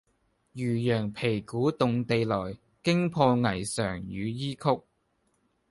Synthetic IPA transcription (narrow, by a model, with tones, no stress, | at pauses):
jyː˨˩jœː˨˩ŋpʰe˨˩jkuː˨˥t̪ʊ˨ŋt̪e˨˧jlɔː˨˩j | kɪ˥ŋpʰɔː˧ŋɐ˨˩jsœː˨˩ŋjyː˨˧jiː˥kʰʊ˥k̚